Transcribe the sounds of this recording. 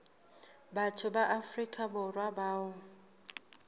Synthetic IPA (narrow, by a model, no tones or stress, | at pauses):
batʰʊbaʔafrikʼabʊrwabaːʊ